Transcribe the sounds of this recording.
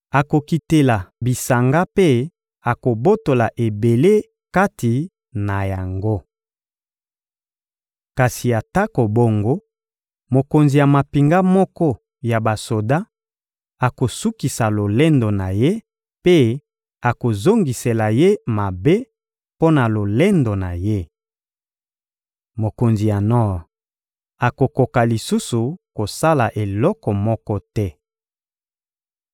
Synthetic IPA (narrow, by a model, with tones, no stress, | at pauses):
a˨ko˨ki˨te˨la˨bi˨sa˨ŋɡa˦pe˦ | a˨ko˨bo˦to˨la˨ʔe˨be˨le˦ | ka˦ti˨ | na˨ja˨ŋɡo˦ | ka˨si˨ja˨ta˦ko˨bo˨ŋɡo˦ | mo˨ko˨nzi˨ja˨ma˨pi˨ŋɡa˦mɔ˦kɔ˦ | ja˨ba˨so˨da˦ | a˨ko˨su˦ki˨sa˨lo˨le˦ndo˨na˨je˦ | pe˦ | a˨ko˨zo˦ŋɡi˨se˨la˨je˦ma˨be˦ | po˦na˨lo˨le˦ndo˨na˨je˦ | mo˨ko˨nzi˨ja˨nɔ˦˨ʁ | a˨ko˨ko˨ka˨li˨su˦su˨ko˨sa˦la˨ʔe˨lɔ˦kɔ˨mɔ˦kɔ˦tɛ˦